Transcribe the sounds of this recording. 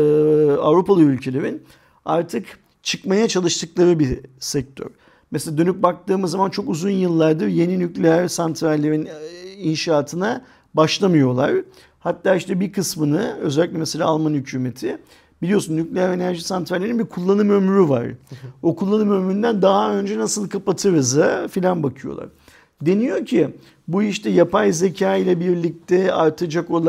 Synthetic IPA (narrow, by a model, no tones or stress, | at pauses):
avɾupalˠɯylʲcʰe̞lʲeɾin | aɾt̪ʰɯk | t͡ʃʰɯkmajat͡ʃʰalˠɯʃt̪ʰɯklˠaɾɯbisɛc̚t̪ʰø̰ɾ̥ | meselʲaːd̪ø̞nyp̚bak̚t̪ɯːmɯzːamant͡ʃʰo̞kuzunjɯlˠːaɾd̪ɯje̞ninyclʲeæɾsant̪ʰɾæɾlʲe̞ɾininʃaːt̪ʰɯna | baʃlˠamɯjo̞lˠa̰ɾ | hat̪ːaːiʃt̪ɛbikʰɯsmɯnɯø̞̰zɛlʲic̚lʲɛmeselʲa̰ːlˠmanhycʰyːme̞t̪ʰɪ | b̥ilʲijo̞sunːyclʲejæɾe̞næɾʒisant̪ʰvæɾlʲeɾinbikʰulˠːanɯmømyɾyva̰ɾ̥o̞kʰulˠːanɯmømyɾynd̪ænd̪aɦaø̞nd͡ʒɛnasɯlˠkʰapat̪ʰɯɾɯzɯfilʲanbakʰɯjo̞̰lˠa̰ɾ̥ | d̪e̞nijo̞cʰi | buiʃt̪ʰɛjapʰajze̞cʰaːilʲɛbiɾlʲic̚t̪ʰɛa̰ɾt̪ʰad͡ʒako̞lˠ